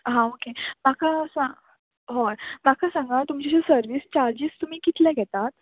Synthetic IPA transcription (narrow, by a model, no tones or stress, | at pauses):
ɦãokemakasã | ɦomakʰasãŋɡat̪umt͡ɕit͡ɕesəɾʋiːst͡ɕaɾd͡ʑiːst̪um̤iːkit̪lɛɡʱɛt̪at̪